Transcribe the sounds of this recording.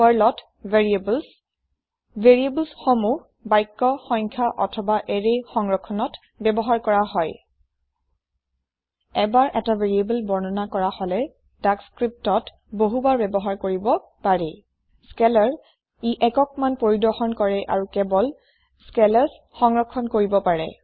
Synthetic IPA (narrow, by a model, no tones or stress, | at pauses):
wɔɹlɔt | veɹibl | veɹiebəlsxomuh | bajkːɔxɔjɲkʰaʔɔ̰tʰɔbaʔɛɹejxɔŋɹɔkʰːɔnɔt | bɛbɔɦaɹkɔɹaɦɔj | ɛbaɹʔɛtavʱeɹiebəlbɔɹnɔnakɔɹahɔlɛ | d̥akskɹip̚tɔt | boɦubaɹbɛbɔɦaɹkoɹibɔ | paɹɛ | skɛlaɹ | iʔɛkɔk̚manpoɹidɔxɔnkɔɹɛʔa̰ɹukɛbɔl | skɛlaɹs | xɔŋɹɔkʰːɔnkoɹibɔpaɹɛ̰